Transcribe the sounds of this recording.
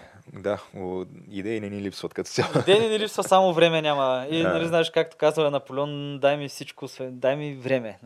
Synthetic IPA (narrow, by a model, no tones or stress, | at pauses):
d̪aoid̪ɛinɛnilipsvət̪kɐt̪o̥t̪ʲjaid̪ɛinɛnilipsvɐsamovɾɛmɛnʲamɐinɐliznaɛʃkak̚t̪o̥kazəɛnɐpolʲɛond̪ajmifsit͡ʃkosvɛd̪ajmivɾɛmɛ